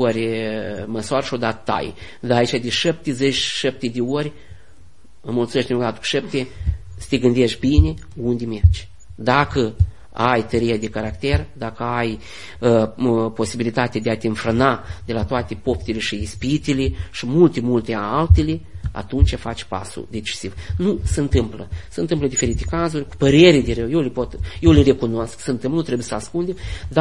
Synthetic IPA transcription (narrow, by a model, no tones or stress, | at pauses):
oɾʲməswaɾəʃiod̪at̪ət̪ːa̰j | d̪aːit͡ʃad̪eʃep̚t̪ezet͡ʃʃep̚t̪ed̪eorʲ | əmult̪sumet̪d̪ʲinɡd̪at̪ə̥ku̥ʃept̪e | sɨ̥t̪eɡɨnd̪eʃʲbinʲe | und̪ʲeme̞rd͡ʒʲ | d̪akə | ajt̪əɾijad̪ekaɾakt̪e̞rd̪akəaj | po̞sibilit̪at̪ead̪eat̪enfɾənad̪e̞lat̪oat̪e̞po̞pt̪eleʃiispit̪ileʃimult̪emult̪eaalt̪elea̰t̪unt͡ʃʲafat͡ʃʲpa̰sṵd̪e̞t͡ʃi̥sivnusəɨnt̪ɨmpləsəɨnt̪ɨmpləd̪ife̞ɾit̪ekazurʲku̥pəɾe̞ɾʲed̪eɾewjewlepo̞t̪je̞wleɾe̞kunosksəɨnt̪ɨmpnut̪ɾebujesəaskund̪ed̪a